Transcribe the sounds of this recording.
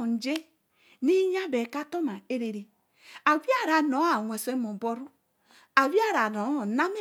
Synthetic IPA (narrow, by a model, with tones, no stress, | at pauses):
n̩˨d͡ʒe˦ | ni˦ɲa˦be˨ka˦to˦ma˨e˦ɾe˨ɾi˨ | a˨wi˦a˦˨ɾa˨no˨˦a˨ŋʷe˨se˦mu˨bo˦ɾu˦ | a˨wi˦a˦ɾa˨no˨˦˨na˦mi˦